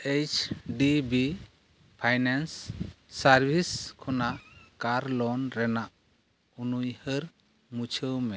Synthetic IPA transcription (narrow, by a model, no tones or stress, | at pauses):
et͡ʃʰɖibi | pʰajnansː | aɾbʱiskʰunakaɾlɔnɾɛnaʔ | unujhəɾ | mut͡ʃʰəwmɛ